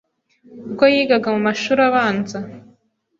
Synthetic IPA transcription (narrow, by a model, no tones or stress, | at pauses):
uɡojiːɡaɡamumaʃuɾaβaːnza